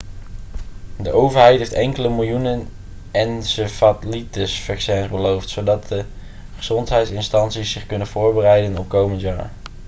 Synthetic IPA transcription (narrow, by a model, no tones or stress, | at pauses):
dəʔowvəɹɦɛjtɦejftɛŋkələmɪlˠjunən | ɛnsəfatlitəsfɑksɛnzbəlowftsowdɑt̚də | χəz̥ɔntɦɛjtsɪnstɑntsisːɪχkɵnənv̥ʊːɹbərɛjdənɔp̚kowməntja̰ːɹ